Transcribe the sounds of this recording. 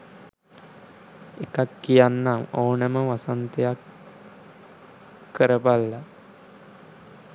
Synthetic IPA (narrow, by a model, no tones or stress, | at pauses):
ekakːijanːamownəməʋasant̪ejak | kːəɾəbalːa